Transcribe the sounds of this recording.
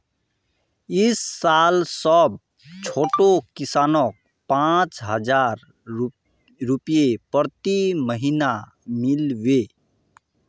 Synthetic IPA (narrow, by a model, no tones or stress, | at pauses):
ɪsːalsəb | t͡ʃʰoʈokisaːnɔk̚ | pãt͡ʃɦəd͡ʒaɾ | ɾupjepəɾt̪iməɦina | milʋe